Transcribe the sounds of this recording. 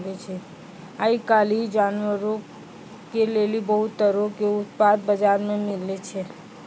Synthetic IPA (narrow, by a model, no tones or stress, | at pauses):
ɡ̪et͡ʃʰe | aikalid͡ʒanʋəɾo | kelelibəɦut̪ːəɾokeʊt̪pad̪̚bəd͡ʒaɾmẽmɪlːet͡ʃʰe